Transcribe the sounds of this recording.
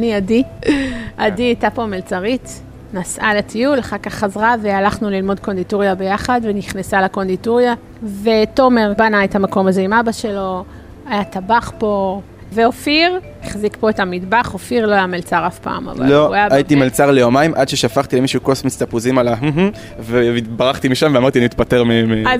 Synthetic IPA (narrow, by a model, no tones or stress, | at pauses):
aniadi | ʔadiajtapo̞melt͡saʁit | nasʔaletʰijulaχakaχːazʁavealaχnulilmo̞d̚ko̞ndituʁjabe̞jaχadveniχnesalako̞ndituʁja | ve̞to̞me̞ʁbanaethamako̞maze̞imabaʃe̞lo̞ | ajatabaχpo̞ | veofiʁ | iχzikpo̞etamidbaχofiʁloajamelt͡saʁafpa̰ːma̰va̰loajaʔajit̪imelt͡saʁlejomaimʔadʃeʃafaχt̪ilemiʃuːkosmit͡st̪apuzimalaɦ̩ɦ̩ | vebaʁaχt̪imiʃamveamaʁt̪ianit̪pate̞ʁmeema